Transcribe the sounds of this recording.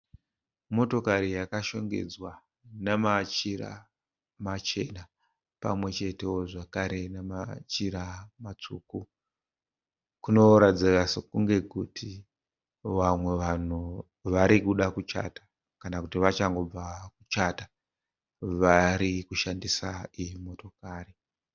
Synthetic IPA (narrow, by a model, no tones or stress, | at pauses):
mo̞to̞kaɾijakaʃo̞ŋɡe̞̰d͡zwa | namat͡ʃira̰ | mat͡ʃe̞na | pa̰mwe̞t͡ʃe̞te̞woʐakaɾe̞nemat͡ʃiɾamat͡ʂuku | kuno̞ɾad͡zirasekuŋɡe̞kutʰi | ʋamwe̞ʋan̤u | ʋaɾikuɗakut͡ʃa̰tḁ | kanakutiʋat͡ʃaŋɡo̞b͡vakut͡ʃata | ʋaɾikuʃandisaimo̞to̞kaːri